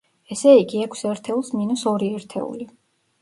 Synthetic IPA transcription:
ɛsɛiɡiɛkʷʰsɛɾt̪ʰɛulˠsminusɔɾiɛɾt̪ʰɛ̰ṵli

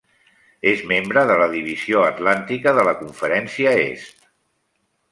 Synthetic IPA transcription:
ezmembɾəðələðiβ̞izioət̪lant̪ikəðələkuɱfəɾɛnsiəḛst̪

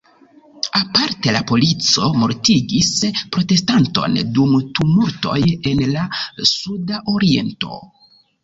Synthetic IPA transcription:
apaɾte̞lapo̞lit͡so̞mo̞ɾtiɡispɾo̞te̞stanto̞̰ndumtumuɾto̞̰je̞nlasudaʔo̞ɾie̞̰nto̞̰

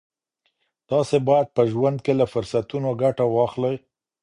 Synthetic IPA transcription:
d̪̥ɑsebɑjad̪̚pəʒwand̪̚kelafʊɾsat̪unoɡaʈawɑxləj

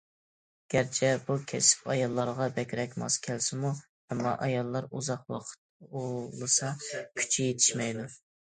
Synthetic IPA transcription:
ɡ̥ʲæɾt͡ʃʰɛbukʲʰɛsɪ̥pɑjɑlˠːɑɾʁɑbɛkʲɾɛkʲmɑ̰skʲʰɛlsɪmu | hɛmːɑ̰ʔɑjɑlˠːɑɾuzɑqwɑ̰q̪ʰolˠɨsɑkʲʰy̥t͡ʃʰijet̪ʰɪ̥ʃmɛjd̪u

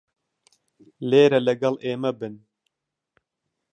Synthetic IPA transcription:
leːɾɛlɛɡɐlʔeːmɛbɨn

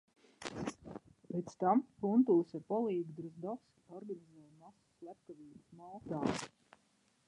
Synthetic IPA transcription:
pʲet̪st̪ampunt̪uːsʲɛpɔlˠiːɡd̪ɾuzd̪ɔs | ɔɾɡanizɛːjmasu̥slʲæp̚kaviːbusmaːt̪aː

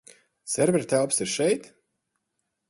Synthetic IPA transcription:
sɛɾvʲɛɾt̪ælˠpsiɾʃɛjt̪

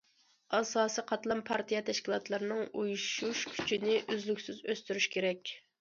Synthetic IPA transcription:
ɑsɑːsiqʰɑt̪lˠɑmpʰɑɾt̪ʰijɛt̪ʰɛʃkʲilˠɑt̪lˠɑɾɨnɨŋujuʃuʃkʲʰy̥t͡ʃʰinɪʔøzlykʲsyzøst̪yɾyʃkʲʰeɾɛkʲ

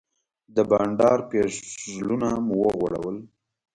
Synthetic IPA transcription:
d̪əbɑɳɖɑɾpezlunamʊwəɣwaɽa̰wəl

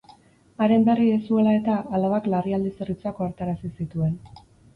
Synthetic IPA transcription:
aɾe̞mbe̞riesue̞lae̞t̪aːlaβaklariald̪iserit͡sakoaɾt̪aɾasisit̪ue̞n

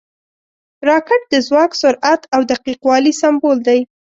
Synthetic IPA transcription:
ɾɑkɪʈ̚d̪əzwɑksʊɾʔat̪awd̪aqiqwɑlisambold̪aj

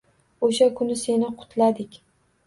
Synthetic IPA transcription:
oʃakʰʊnɪse̞nɪqʰʊ̥t̪ʰlad̪ɪkʲ

